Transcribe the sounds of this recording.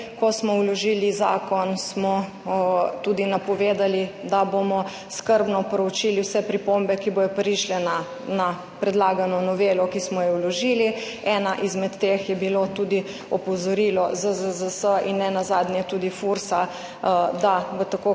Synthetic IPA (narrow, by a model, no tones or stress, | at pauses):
kɔsmɔwlɔʒiːliza̰ːkɔnsmɔ | t̪ud̪inapɔʋed̪alid̪abomɔ | skəɾbnɔpɾɔwt͡ʃiːliwsɛpɾipombɛkibojɔpɾiʃlɛna | na | pɾɛd̪laːɡanɔnɔʋelɔkismɔjɛwlɔʒiːli | ɛnaʔizmɛt̪ːexjɛbilot̪ud̪i | ɔpɔzɔɾiːlɔzəzəzəsəinːɛnazaːd̪njɛt̪uːd̪ifuɾsa | d̪aʋət̪ako